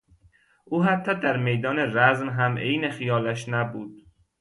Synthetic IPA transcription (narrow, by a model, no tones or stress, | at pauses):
ʔuːɦæt̪ʰːɒːd̪æɾme̞jd̪ɒːne̞ɾæzmɦæmʔejnexijɒːlæʃnæbuːd̪̥